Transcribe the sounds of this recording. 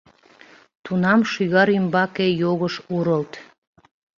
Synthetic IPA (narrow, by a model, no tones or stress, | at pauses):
t̪unɑmʃyɣɑɾimbɑkejoɣəʃuɾəlt̪